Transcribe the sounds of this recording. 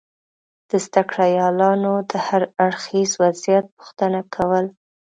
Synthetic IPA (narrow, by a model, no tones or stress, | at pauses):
d̪̥əzd̪akɽɑjɑlɑnod̪əhaɾaɽxizwazijat̪̚puxt̪ənakʰawəl